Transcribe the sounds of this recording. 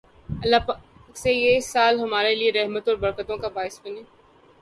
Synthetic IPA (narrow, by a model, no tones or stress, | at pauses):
ɐlːapaː | ksejesaːlɦɐmaːɾelieɾɛɦmət̪ɔːɾbɐɾkət̪õkabaːɪsbɐneː